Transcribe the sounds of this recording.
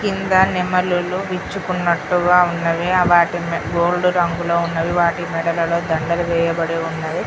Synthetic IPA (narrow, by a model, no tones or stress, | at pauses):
kind̪ɐnimɐluluʋit͡ʃːukunːɐʈːuɡaːunːɐʋiɐʋaːʈimɡoːlɖuɾɐŋɡulo̞ːunːɐʋiʋaːʈimɛɽɐlɐlo̞ːd̪ɐɳɖɐlɐʋɛːjɐbɐɽeːunːɐdi